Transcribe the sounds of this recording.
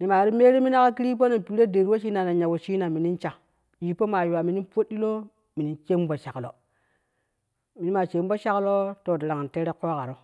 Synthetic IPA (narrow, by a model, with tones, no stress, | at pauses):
ni˨ma˨ɾi˦me˦ɾi˦mi˦na˦ka˦ki˦ɾi˦p̬o˦na˨pi˨˦ɾe˦de˨ɾwo˦ʃi˦na˨na˨ɲa˨wo˨ʃi˦na˨mi˨ni˦nt͡ʃa˨ | ji˨po˦ma˨ju˨wa˨mi˨ni˦po˦di˦lo˦ | mi˨ni˦nt͡ʃe˦m˦bo˨ʃa˨klo̰˨ | mi˨ni˦ma˨t͡ʃe˨˦m˦bo˦ʃa˦klo˦to˦˨di˨ɾa˨ŋ˨n˨te˦ɾe˦ko˦ka˨ɾo˦